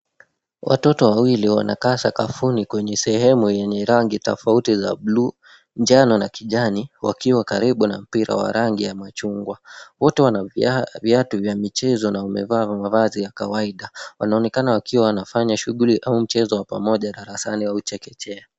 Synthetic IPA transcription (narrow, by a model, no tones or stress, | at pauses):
wʔa̰tɔtɔwawiliwa̰na̰kasakafunikwɛɲɛsɛhɛmujɛɲɛɾaŋɡitɔ̰fautiza̰blu | nd͡ʒanɔnakiʄaniwakiwakaɾiɓunam̩piɾa̰wa̰ɾaŋɡijamat͡ʃuŋɡwawɔtɛwanaviatuvjamit͡ʃɛzɔnaumɛ̰vaːvmavazijakawaiɗawanaɔnɛkanawakiwawanafaɲaʃuɠuliʔaum̩t͡ʃɛzɔwapa̰mɔʄaɗaɾasaniwaut͡ʃɛkɛt͡ʃɛa